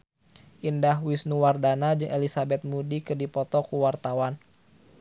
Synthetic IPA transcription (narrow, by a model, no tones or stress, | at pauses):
ʔindaɦwisnuwardanad͡ʒɨŋʔelisabɛt̪̚mudikɨrdipɔt̪ɔkuwart̪awan